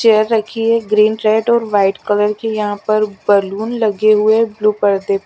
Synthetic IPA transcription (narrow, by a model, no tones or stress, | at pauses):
t͡ʃejəɾːɐkʰieɡɾiːnʈɾeːɖɔːɾʋaːɪʈkɐləɾkejɐɦãpɐɾbɐluːnlɐɡeɦʊebluːpəɽd̪e